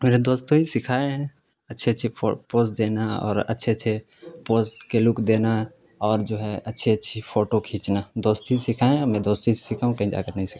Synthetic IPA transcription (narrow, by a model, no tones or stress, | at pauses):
meːɾed̪oːst̪oɦisɪkʰaːẽɦɛ̃ | ɐtːʃʰeɐtːʃʰeopoːsd̪eːnaɔ̰ːɾɐ̰tːʃʰeətːʃʰe | poːskelʊkd̪eːna | ɔːɾd͡ʒoːɦɛʔɐtːʃʰeɐtːʃʰipʰoːʈokʰĩːt͡ʃnad̪oːst̪isɪkʰaːẽɔmɛ̃d̪oːst̪issɪkʰaɦũkɛ̃ĩd͡ʒa̰kəɾnəɦĩsɪ̥a